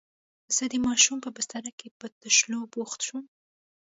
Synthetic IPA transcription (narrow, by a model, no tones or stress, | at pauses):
z̥əd̪əmɑʃumpəbɪst̪aɾakepət̪əʃloboxt̪ʃum